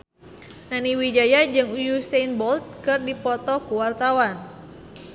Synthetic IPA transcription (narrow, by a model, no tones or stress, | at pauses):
naniwid͡ʒajad͡ʒɨŋujusenbɔlt̪̚kɨrdipɔt̪ɔkuwart̪awan